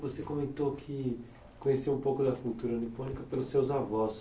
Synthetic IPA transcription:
vosekõmẽnt̪okʰɪ | kõɲesiũpowkʊd̪ɐfut̪uɾɐonipõnikɐpelʊsːewzavɔs

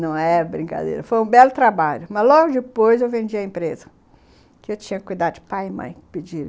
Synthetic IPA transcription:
nɐ̃w̃ɛbɾĩka̰d̪ḛjɾɐfojũbɛlʊt̪ɾabaʎʊmɐzlɔɡʊd͡ʒɪpojzewvẽnd͡ʒiɐẽpɾezɐ | kɪewt͡ʃĩɲɐkɪ̥kujd̪ad̪ʊd͡ʒɪpajɪmɐ̰̃j̃pɪd͡ʒil

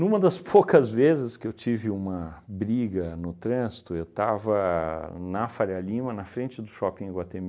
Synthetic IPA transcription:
nũmɐd̪ɐspʰowkɐzvezɪskɪewt͡ʃivɪũmɐbɾiɡɐnʊt̪ɾɐ̃zit̪ʊewt̪avɐnɐfaɾialĩmɐnɐfɾẽnt͡ʃɪd̪ʊʃɔpẽɪɡwat̪emi

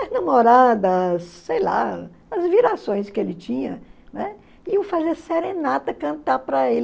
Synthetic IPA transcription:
ɐnɐmoɾad̪ɐsːejla̰ | ɐzviɾasõj̃skɪelɪt͡ʃĩɲɐnɛ | ɪwfazeseɾẽnat̪ɐkɐ̃nt̪apɾɐel

